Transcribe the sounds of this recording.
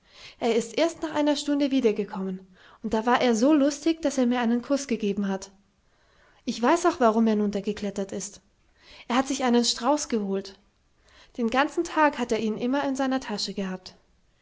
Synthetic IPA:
ʔeːɐɪstʔeːɐstnaːχʔaɪnɐʃtʊndəviːdɐɡəkʰɔmən | ʔʊnt̚d̥aːvaːɐʔeːɐzoːlʊstɪçd̥aseːɐmiːɐaɪnənkʰʊsɡ̥əɡeːbm̩ɦat | ʔɪçv̥aɪsaʊxv̥aʁʊmeːɐnʊntɐɡəkl̥ɛtɐtɪst | ʔeːɐhatz̥ɪçʔaɪnənʃtʁ̥aʊsɡ̥əhoːlt | d̥eːnɡant͡sn̩tʰaːkhateːɐiːnʔɪmɐɪnzaɪnɐtʰaʃəɡəhaːp̚t

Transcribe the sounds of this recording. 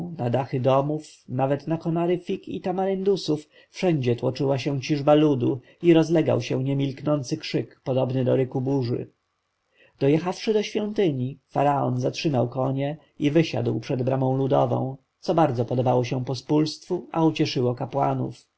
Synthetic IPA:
nad̪axɘd̪ɔmufnavɛt̪nakɔnaɾɘfʲikḭt̪amaɾɛnd̪usuf | fʂɛɲd͡ʑɛt̪wɔt͡ʂɘwaɕɛw̃t͡ɕiʐbalud̪u | iɾɔzlɛɡa̰wɕɛɲɛmʲilknɔnt̪sɘkʂɘkpɔd̪ɔbnɘd̪ɔɾɘkubuʐɘ̰ | d̪̥ɔjɛxafʂɘd̪ɔɕfʲjɔnt̪ɘɲifaɾaɔ̰nzatʂɘmawkɔɲɛ | ivɘɕa̰d̪wpʂɛd̪bɾamɔ̃w̃lud̪ɔ̰vɔ̰̃w̃ | t̪sɔbaɾd̪zɔpɔd̪ɔbawɔɕɛ̃pɔspulst̪fuaut͡ɕɛʂɘwɔkapwanṵf

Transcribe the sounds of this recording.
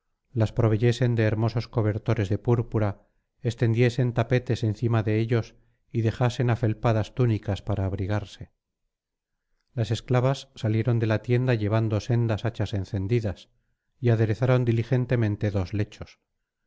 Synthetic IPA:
laspɾo̞β̞e̞ʝe̞se̞nd̪e̞ːɾmo̞so̞sko̞β̞e̞ɾt̪o̞ɾe̞zðe̞puɾpuɾa | est̪e̞nd̪je̞se̞nt̪ape̞t̪e̞se̞nθimaðe̞eʎo̞s | iðe̞xase̞nafe̞lpaðast̪unikaspaɾaːβɾiɣaɾse̞ | lase̞sklaβasːalje̞ɾo̞nd̪e̞lat̪je̞nd̪aʎe̞β̞and̪o̞se̞nd̪asat͡ʃase̞nθe̞nd̪iðas | iaðe̞ɾe̞θaɾo̞nd̪ilixe̞nt̪e̞mẽ̞nt̪e̞ðo̞zle̞t͡ʃo̞s

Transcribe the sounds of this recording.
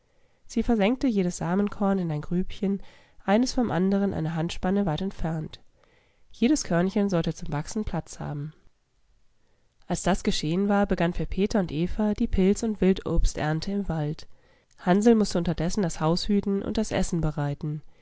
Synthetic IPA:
z̥iːfɛɐzɛŋk̚təjeːɾəsz̥aːmənkʰɔɐnɪnaɪnɡʁyːpçən | ʔaɪnəsfɔmʔa̰ndəʁ̞ənʔa̰ɪnəɦantʃpanəvaɪtɛntfɛɐnt | jeːɾəskʰœɐnçənzɔltət͡sʊmvaksn̩pʰl̥at͡sha̰ːbm̩ | ʔalsd̥asɡ̥əʃeːənvaːɐbəɡanfyːɐpʰeːtɐʊntʔeːfɐd̥iːpʰɪlt͡sʊntv̥ɪltʔo̰ːpstʔɛ̰ɐntʰəɪmvalt | hanzl̩mʊstəʊntɐdɛsn̩dashaʊshyːtn̩ʔʊ̰nt̚d̥asʔɛ̰sn̩bəʁaɪtn̩

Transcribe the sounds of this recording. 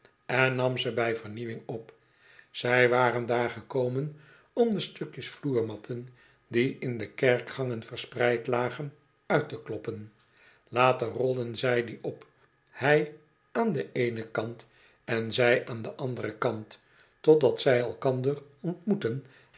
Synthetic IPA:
ɛnːɑmzəbɛjvəɹniʋɪŋɔp | z̥ɛjʋaːrəndaːɹχəkowmən | ɔmdəstɵkjəsfluːɹmɑtʰən | diʔɪndəkɛɹkχɑŋənvəɹsprɛjtlaːχən | œɥtəklɔpən | laːtərɔlˠdənzɛjdiɔp | hɛj | aːndəʔejnəkɑnt | ɛnzɛjʔaːndəʔɑndəʁəkɑnt | ɔdɑtsɛjɛlˠkɑndərɔntmutən

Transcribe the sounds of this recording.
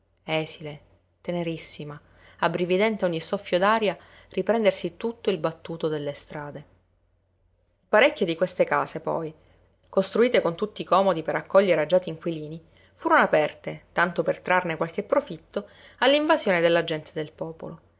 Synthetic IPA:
ɛːsile | t̪eneɾisːima | abɾivid̪ɛnt̪eoɲːisɔfːjod̪aːɾja | rʔipɾɛnd̪ersit̪ut̪ːoilbat̪ːuːt̪od̪elːest̪ɾaːd̪e | ipaɾekʲːod̪ikwest̪ekaːsepɔ̰j | kost̪ɾuiːt̪ekont̪ut̪ːikɔːmod̪ipeɾakːɔʎːeɾad͡ʒaːt̪iːŋkwiliːni | fuːɾonoapɛrt̪et̪ant̪opert̪ɾarnekwalk̟epːɾofit̪ːo | alːiɱvazjoːned̪elːad͡ʒɛnt̪ʰed̪elpɔːpo̰lo

